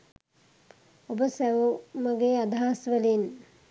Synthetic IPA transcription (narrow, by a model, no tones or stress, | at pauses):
obəsæʋuməɡead̪aaːsʋəlin